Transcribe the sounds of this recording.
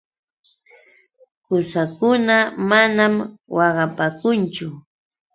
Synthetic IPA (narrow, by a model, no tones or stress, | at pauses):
kʊsakʊnamanamwɑɢɑpaːkʊnt͡ʃʊ